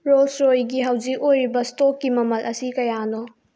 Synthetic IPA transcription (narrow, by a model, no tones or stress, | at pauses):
ɾolsɾojɡiɦɐwzik̚ojɾibɐstokːimɐmɐlʔɐsikɐjano